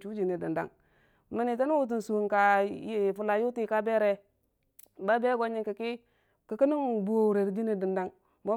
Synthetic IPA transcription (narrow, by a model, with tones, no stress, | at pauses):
t͡ʃu˦d͡ʒi˨ni˨di˨nda̰˦ŋ | mi˨ni˨ta˦nu˦wu˦t̬u˨n˨su˨ka˨˦˨fu˨la˨ju˦ti˦ka˦be˦ɾe˦ | ba˦be˦ɡo˦ɲi˦ŋki˨ki˦ | ki˨ki˦ni˦ŋbu˨o˨ɾe˨ɾi˨d͡ʒi˦ni˨di˨nda˦ŋ | mo˦